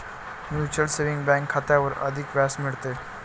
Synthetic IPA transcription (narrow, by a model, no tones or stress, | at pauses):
mjuːt͡ʃəlseʋɪ̃ŋɡbɛ̃ːŋkʰːat̪eɔːɾɐ̰d̪ʱɪkʋɛːsmɪɽt̪eː